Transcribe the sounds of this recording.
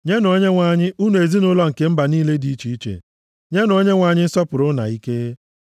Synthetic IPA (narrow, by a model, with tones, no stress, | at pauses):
ɲe˦n˨o˦ɲe˦ŋʷa˨ɲɪ˦ʔu˦n˨e˨zi˦nʊ˦lɔ˦ŋ̩˨ke˨m̩˦ba˨niː˦le˦di˨˦i˦t͡ʃi˨i˦t͡ʃḛ˨ | ɲe˦n˨o˦ɲe˦ŋʷa˨ɲɪ˦sɔ˦pʊ˨ɾʊ˦na̰˨i˦ke˦